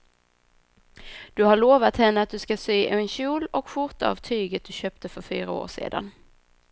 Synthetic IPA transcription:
d̪̥ɵhaɭoːvat̪hɛnːəat̪̚d̪ɵskasyːʔʉnɕuːlɔkɧʊɾt̪aa̰vt̪ʰyːɡət̪̚d̪̥ɵɕøːp̚t̪əfœɾfyːɾao̰ːʂḛːd̪a̰n

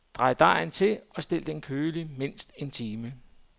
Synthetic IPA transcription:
d̥ʁɑ̈ɪd̥ɑ̈ɪn̩t͡sʰe̝ɒ̽sd̥e̝l̰d̥enkʰøːlime̝n̰sd̥e̝nt͡sʰiːmə

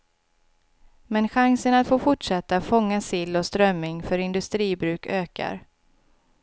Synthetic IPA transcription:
mɛnɧaŋsənat̪foːfʊʈʂɛt̪ːafɔŋːasɪlːɔst̪ɾœmːɪŋfœɾɪnd̪ɵst̪ɾiːbɾʉ̟ːkʰøːka̰ɾ

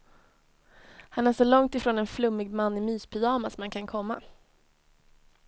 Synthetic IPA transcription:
hanæːʂɔlɔŋt̪ɪfɾoːnɛnflɵmːɪɡmanːɪmyːspʰʏjɑːmasɔmankʰankʰɔmːa̰

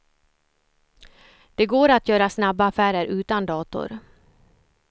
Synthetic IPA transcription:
d̪̥ɛɡoːɾat̪jœːɾasnabːaːfæːɾəɾʉ̟ːt̪and̪ɑːt̪ʊ̰ɾ

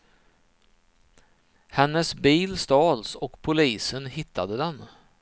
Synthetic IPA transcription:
hɛnːəsbiːlst̪ɑːlsɔkpʰʊliːsənhɪt̪ʰːad̪əd̪ɛn

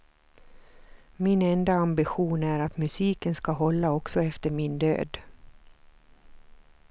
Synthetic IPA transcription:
mɪnɛnd̪aambɪɧuːnæɾat̪mɵsiːkənskaɦɔlːaɔksɔɛft̪əɾmɪnd̪ø̰ːd̪

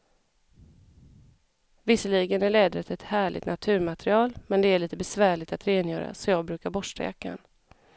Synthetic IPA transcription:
vɪsəliːɡənæɭɛːd̪ɾət̪ʰɛt̪hæːɭɪ̰t̪nat̪ʰʉ̟ːɾmat̪ɾɪɑːlmɛnd̪ɛæɭiːt̪əbɛsvæːɭɪɡ̚t̪at̪ɾeːnjœ̰ːɾa̰sɔjɑːɡ̚bɾʉ̟ːkaɾbɔʂʈa̰ja̰kːa̰n

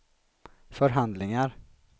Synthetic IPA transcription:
fœɾɦand̪lɪŋaɾ

